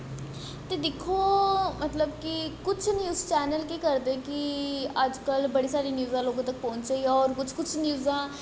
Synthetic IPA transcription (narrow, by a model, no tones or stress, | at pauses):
t̪eːd̪ekʰoːmət̪ləb̚kikʊt͡ʃʰnjuːzt͡ʃɛːnəlkiːkəɾd̪eːkɪəd͡ʒkəlbəɽiːsaːɾiːnjuːzãːloːɡãːt̪ək̚pɔ̃ːɲt͡ʃt͡ʃaːiɔːɾkʊt͡ʃʰkʊt͡ʃʰnjuːzãː